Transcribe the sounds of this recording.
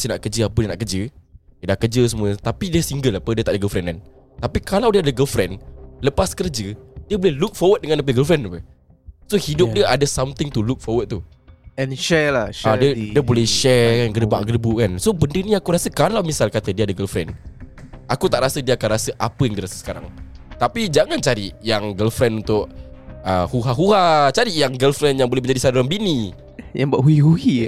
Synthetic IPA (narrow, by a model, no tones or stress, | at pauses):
sinaʔkərd͡ʒəapədiənaʔkərd͡ʒəjədahkəd͡ʒəs̬əmũət̪apidəsiŋɡəlapədiət̪aʔdəɡəlfɾɛnkan | t̪apikalawdiəadəɡəlfɾɛnləpaskərd͡ʒədiəbolɛhluk̚fɔwət̪̚dəŋanləp̬əɡəlfɾɛnapə | sohidʊp̚diəʔadəsamt̪ɪŋt̪uluk̚fɔwət̪̚t̪u | ɛnʃɛlaʃadədiəbolɛhʃɛkanɡədəba̰ʔɡərbukansobəndəniakuɾasəkalawmisalkat̪ədiəadəɡəlfɾɛ̰n | akut̪aʔɾasədiəakanrasəʔapəjaŋdiəɾasə̥sə̥kaɾa̰ŋt̪apid͡ʒaŋant͡ʃaɾijaŋɡəlfɾɛnunt̪ʊʔəhuɦaɦuhat͡ʃaɾijaŋɡəlfɾɛnjaŋbolɛhmə̃ɲd͡ʒadisadaɾanbini | jaŋbaʔhuihuhi